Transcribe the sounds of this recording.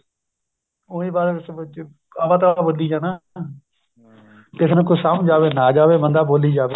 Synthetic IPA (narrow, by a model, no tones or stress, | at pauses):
ʊːĩːbaːɾeː | aʋaːt̪aːboːliːd͡ʒaːnaː | kɪsnə̃ːkʊsaːmd͡ʒaːʋeːnaːd͡ʒaːʋeːbənd̪aːboːliːd͡ʒaːʋe